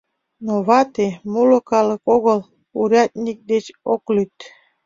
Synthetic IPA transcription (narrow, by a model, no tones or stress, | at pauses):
noβɑt̪emulŏkɑlɤ̆koɣə̆l | uɾʲɑt̪̚ʲnʲik̚d̪et͡ɕoklyt̪